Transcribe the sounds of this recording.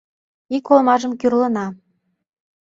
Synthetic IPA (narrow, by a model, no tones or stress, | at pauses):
ikolmɑʒə̆mkʲyrlɤ̆nɑ